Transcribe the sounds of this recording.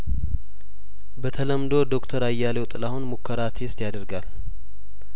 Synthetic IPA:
bət̪ʰələmd̪o̞d̪o̞kt̪ʰəɾajːalewt̪ʼɨlahunmukʰːəɾat̪ʰest̪jad̪əɾɡal

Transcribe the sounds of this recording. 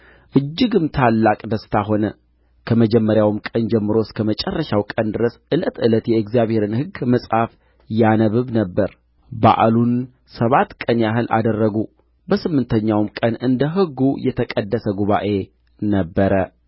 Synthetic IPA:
ʔɨd͡ʒːɪɡɨmt̪ʰalːakʼd̪əst̪ʰaɦo̞nə | kʰəməd͡ʒɛmːəɾjawmkʼənd͡ʒɛmːɨɾo̞skʰəmət͡ʃʼɛrːəʃawkʼənd̪ɨɾəsʔɨlət̪ɨlət̪jɛɨkzijaβhe̞ɾɨnhɨɡməsʼhaf | janəβɨβnəbːəɾ | ba̰ʔlun | səβat̪kʼənjaɦɨlʔa̰d̪ərːəɡu | bəsɨmːɨnt̪ʰəɲːawmkʼənɨnd̪əɦɨɡːujɛt̪ʰəkʼəd̪ːəsəɡuβa̰ʔe̞ | nəbːəɾə

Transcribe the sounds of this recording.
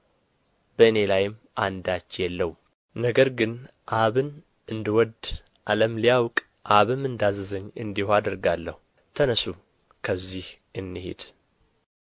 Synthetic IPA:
bəɨne̞lajɪm | a̰nd̪at͡ʃːjɛlːəwu | nəɡəɾɡɨn | ʔaβɨn | ʔɨnd̪ɨwɔd̪ | ʔaləmlijawkʼ | ʔaβɨmɨnd̪azəzəɲːɨ̰nd̪ihoad̪əɾɡalːəhu | t̪ʰənəsu | kʰəzːih | ɨnːɨhḛd̪̥

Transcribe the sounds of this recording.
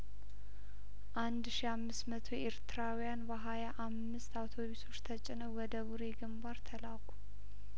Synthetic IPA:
ʔand̪ʃiamːɨsmət̪ʰoeɾt̪ʰɨɾawijanbəɦajaʔamːɨst̪awt̪ʰo̞βiso̞t͡ʃːt̪ʰət͡ʃʼɪnəwwɔd̪əβuɾeɡɨmbaɾt̪ʰəlakʷʰu̥

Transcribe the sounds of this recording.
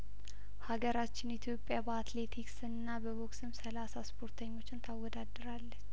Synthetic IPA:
haɡəɾat͡ʃːɪnit̪ʰjo̞pʼːjabəat̪le̞t̪ʰiksɨnːabəβoksɨmsəlasaspʰo̞ɾt̪ʰəɲːo̞t͡ʃːɪnt̪ʰawːɔd̪ad̪ːɨɾalːət͡ʃː

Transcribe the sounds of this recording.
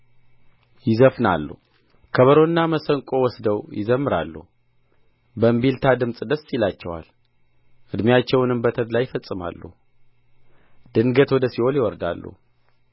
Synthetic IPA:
jɪzəfna̰lːṵ | kʰəβəɾonːaməsəŋkʼo̞wɔsd̪əwjɪzəmːɨɾa̰lːuh | bəmbilt̪ʰad̪ɨmsʼd̪əsːilat͡ʃːɛwa̰l | ʔɨd̪mjat͡ʃːɛwnɨmbət̪ʰəd̪lajɪfəsʼːɨma̰lːṵh | d̪ɨnɡət̪wɔd̪əsiho̞ljɪwɔɾd̪a̰lːṵ

